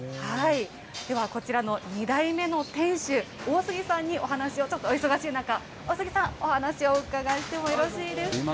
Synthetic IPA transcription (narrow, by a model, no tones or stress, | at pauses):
hai | d̪̥e̞βako̞t͡ɕiɾano̞ɲ̟id̪aime̞no̞t̪ẽ̞ɰ̃ɕɨo̞ːsɨɡʲisãɲ̟ːio̞ɦanaɕio̞t͡ɕo̞t̪ːoːiso̞ɡaɕiːnaka | o̞ːsɨɡʲisãŋ̃o̞hanaɕio̞ɯ̟kaɡaɕi̥t̪e̞moiɾo̞ɕiːd̪e̞s